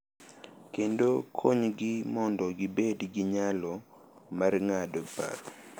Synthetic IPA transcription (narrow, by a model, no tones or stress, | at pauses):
kendokʰoɲɡɪmɔndɔɡibedɡiɲalɔ | marŋadopa̰r